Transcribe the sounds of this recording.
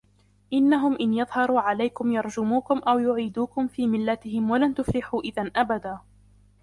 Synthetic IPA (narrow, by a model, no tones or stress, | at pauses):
ʔɪnːaɦʊmʔɪnjɑðˤhɑɾˤuːʕalajkʊmjɑɾˤd͡ʒʊmuːkʊmʔawjʊʕiːd̪uːkʊmfiːmɪlːat̪ɪhɪmwalant̪ʊflɪħuːʔɪðanʔabad̪aː